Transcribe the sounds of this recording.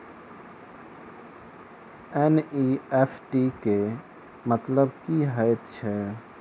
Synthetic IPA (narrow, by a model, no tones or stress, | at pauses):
ɛniefʰʈike | mət̪ləbkiɦajət̪t͡ʃʰɛ